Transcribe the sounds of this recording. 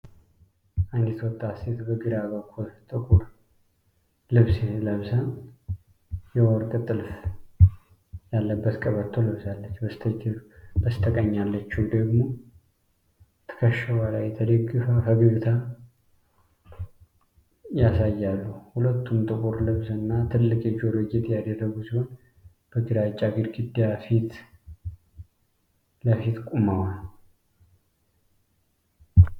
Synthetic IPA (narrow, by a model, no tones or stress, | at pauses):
ʔand̪it̪wɔt̪ʼːaset̪bəɡɨɾaβəkʰːult̪ʼɨkʼuɾ | lɨβsləβsan | jɛwɔɾkʼt̪ʼɨlf | jalːəbːət̪kʼəβəɾt̪ʰːolɨβsalːət͡ʃːbəst̪ʰəd͡ʒɨbəst̪ʰəkʼəɲːalːət͡ʃːud̪əɡmo̞ | t̪ʰə̥kʰəʃəwalajɛt̪ʰəd̪əɡːɨfəfəɡɨɡt̪ʰa | jasajːalːuhulət̪ʰːumt̪ʼɨkʼuɾləβzɨnːat̪ʰɨlːɨkʼjɛd͡ʒioloɡiet̪jad̪ərːəɡusiho̞n | b̥əɡɨd̪at͡ʃʼːaɡɨɾɡɨd̪ːjafit̪ | ləfit̪kʷʼuməwal